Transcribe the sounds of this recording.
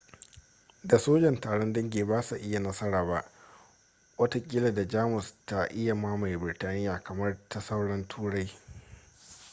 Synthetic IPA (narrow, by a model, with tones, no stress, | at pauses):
da˨soː˦d͡ʒɐ˨ntaː˨ɽɔ˦ndɐ˦ŋɡʲeː˨baː˦sa˨ʔɪ˦ja˨nɐ˦sɐ˦ɽaː˨ba˦˨ʔ | wɐ˦ta˦kʲʼɪ˦la˨da˨d͡ʒaː˦mʊ˨sta˨ʔɪ˦ja˨ma˦ma˨jbɪ˨rtaː˦nɪ˦jaː˨kɐ˨mɐ˦rtɐ˦sɐ˦wɽɐ˦ntʰuː˦ɽa˦j